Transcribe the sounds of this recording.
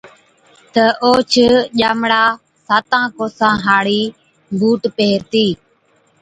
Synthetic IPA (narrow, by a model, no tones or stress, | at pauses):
t̪əʔoːt͡ʃʰəʄaːmɽaː | saːt̪ãːkoːsãːɦaːɽiː | bʱuːʈpeːɾt̪iː